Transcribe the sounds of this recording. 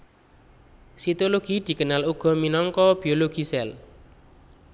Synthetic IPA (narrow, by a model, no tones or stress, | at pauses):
sit̪oloɡ̥i̤d̪̥i̤kənaluɡ̥ɔ̤minɔŋkɔb̥i̤oloɡ̥i̤sɛl